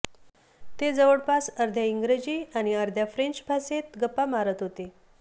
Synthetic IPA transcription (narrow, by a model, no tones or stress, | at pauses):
t̪ed͡zəʋəɽpasəɾd̪ʱjaiŋɡɾed͡ʑiaɽ̃iəɾd̪ʱjafɾeɲt͡ɕbʱaset̪ɡəpːamaɾət̪ɦot̪e